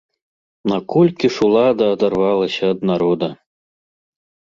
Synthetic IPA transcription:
nɐkɔlʲkʲiʂulˠad̪ɐːd̪arvalˠɐsʲɐːd̪naɾɔd̪ɐ

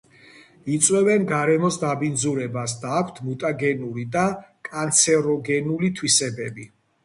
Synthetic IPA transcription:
it̪sʼwɛvɛnɡaɾɛmɔsd̪abind̪zuɾɛbasd̪aːkʷʰt̪ʰmut̪ʼaɡɛnuɾid̪akʼant̪sʰɛɾɔɡɛnulit̪ʰwisɛbɛbi

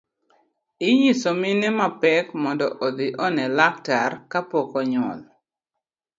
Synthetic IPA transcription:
ɪjisominɛmapɛkmɔndɔ̰ʔod̪iʔɔnɛlak̚tarkapɔkɔɲɔ̰l

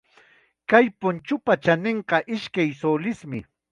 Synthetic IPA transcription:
kajpʊnt͡ʃʊpat͡ʃaneɴqɑʔɪʃkajsolɪsmɪ

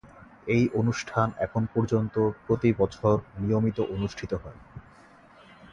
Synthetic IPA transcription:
ejʔonuʃʈʰanɛ̰kʰonpɔɾd͡ʑont̪opɾot̪ibɔt͡ɕʰoɾnijomit̪oʔonuʃʈʰit̪oɦɔe

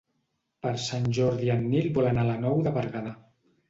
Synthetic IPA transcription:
pəɾsanʲʒɔɾðianːilbɔlanalənɔwðəβəɾɣaða

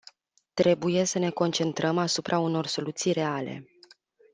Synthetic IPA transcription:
t̪ɾe̞buje̞səne̞ko̞nt͡ʃe̞nt̪ɾəmasupɾʔauno̞rso̞lut̪sijɾe̞ale̞̰

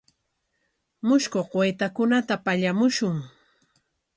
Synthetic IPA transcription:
mʊʃkoɢwejt̪akʊnat̪apaʎamʊʃʊŋ

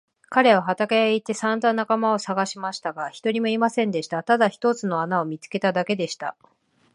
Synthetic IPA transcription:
kaɾe̞βaɦat̪akajait̪ːe̞sãnd̪anakamao̞saɡaɕimaɕi̥t̪aɡaçi̥t̪o̞ɾʲimo̞imasẽ̞nd̪e̞ɕi̥t̪at̪ad̪açi̥t̪o̞t͡sɨno̞anaomʲit͡sɨ̥ke̞t̪ad̪ake̞d̪e̞ɕi̥t̪a̰

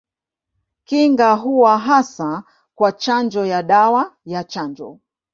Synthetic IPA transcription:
kiŋɡaɦuwaɦasa | kwat͡ʃand͡ʒɔjaɗawajat͡ʃand͡ʒɔ̰

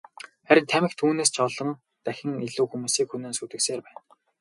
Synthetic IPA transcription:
χæɾʲɪ̆nt̪ʰæmɘ̆xkt̪ʰuːneːst͡ɕʰɔɮɞ̆ŋ | t̪æxʲɪ̆ŋiɮuːxumuːsiːkxuneːnsut̪ɘ̆kseːrpæːn

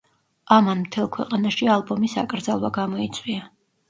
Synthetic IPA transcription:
amanmt̪ʰɛlˠkʰwɛ̰qʼanaʃialˠbɔmisa̰kʼɾd̪zalˠwaɡamɔit̪sʼwia

